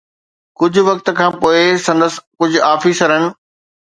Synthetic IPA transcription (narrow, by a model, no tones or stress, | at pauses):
kʊd͡ʑʱʊʋɐk̚t̪̆kʰãːpoːɪsɐ̃nd̪əs̆kʊd͡ʑʱʊ̆aːfiːsɐɾənɪ̆